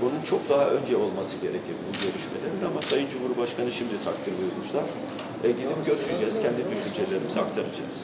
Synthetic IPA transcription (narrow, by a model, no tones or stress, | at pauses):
bununt͡ʃʰo̞k̚d̪aɦaʔø̞nd͡ʒɛo̞lˠmasɯɟe̞ɾe̞cʰiɾunɟøɾyʃme̞lʲeɾinamasajɯnd͡ʒumhuɾibaʃkʰanɯʃimd̪it̪ʰak̚t̪ʰɯɾb̪ujuɾmuʃlˠaɾ̥ | ɛɟid̪ipɟøɾʃyɟʲɛz̥cʰɛnd̪id̪yʃynd͡ʒe̞lʲe̞ɾimizak̚t̪ʰaɾad͡ʒaɯz̥